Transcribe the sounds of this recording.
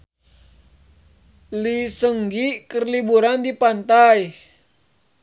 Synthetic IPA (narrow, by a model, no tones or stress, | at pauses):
lisəŋɡikərlibuɾandipant̪aj